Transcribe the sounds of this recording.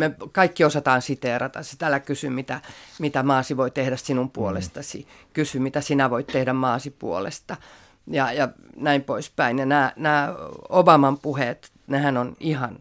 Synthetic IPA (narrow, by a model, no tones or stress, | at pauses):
mekɑikːiosɑt̪ɑːnsit̪erɑt̪ɑ̰si̥t̪ælːækysymit̪æmit̪æmɑːsiʋoit̪ehdæssinumpuolḛst̪ɑsḭkysymit̪æsinæʋoit̪t̪ehdæmmɑːsipṵolḛst̪ɑ | jɑjɑnæimpoispæinjɑnæːnæːobɑmɑmpuhet̪ | nehænonihɑn